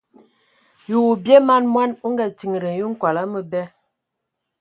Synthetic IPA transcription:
ju˨bje˦ma˦nmwa˦nu˦ŋɡa˨ti˨ŋ˨ɾə˨n˨ju˦ŋ̩˦kwa˨la˦mə˦bɛ˦

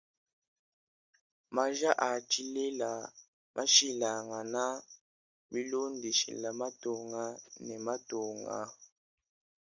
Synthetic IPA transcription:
ma˦ʒa˦ʔa˨t͡ʃi˦le˦la˨ | mʔa˦ʃi˦la˨ŋa˨na˦ | bi˦lo˦ndi˨ʃḭ˨la˨ma˦to˨ŋa˦nɛ˨ma˦to˨ŋa̰˨

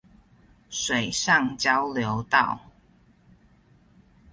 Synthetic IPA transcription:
ʂwe˨ɪʂɑ˥˨ŋt͡ɕjɑ˦ʊljo˨˦ʊt̪ɑ˥˨ʊ

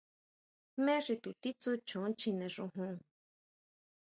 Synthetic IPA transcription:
mẽ˦ʂi˧t̪u˨t̪i˦t͡su˦t͡ʃõ˨˦t͡ʃĩ˧nẽ˨ʐũ˧ɦũ˧

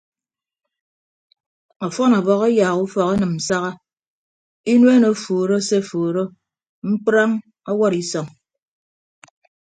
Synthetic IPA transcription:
ɔ˨fɔ˦nɔ˨bɔ˨ɣɔ˦jaː˨ɣu˦fɔ˨ka˦nɨ˨m̩˨sa˦ɣa˦ | i˦nwe˦no˨˦fuː˨ɾo˦se˦˨fuː˨ɾo˦ | ŋ͡m̩˦k͡pɾa˦ŋ | ɔ˦wɔ˦ɾi˨sɔ˨ŋ

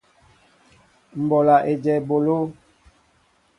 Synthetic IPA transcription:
m̩˨bɔ˨la˨ʔe˨d͡ʒɛ˨bo˨lo˦

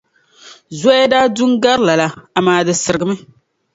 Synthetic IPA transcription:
za˦ja˦daː˦du˦ŋɡa˦ɾla˨la˦a˨maː˨dɨ˨sɨ˨ɾɨ˨ɡɨ˦mɨ˦

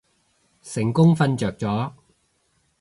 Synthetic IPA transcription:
sɪ˨˩ŋkʊ˥ŋfɐ˧nt͡ʃœː˨k̚t͡sɔː˨˥

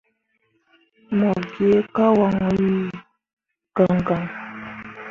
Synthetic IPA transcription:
mɔ˨ɾɡe˨˦ka˦wa˨ŋ˨i˦ | ɡ̥a˨ŋɡa˨ŋ

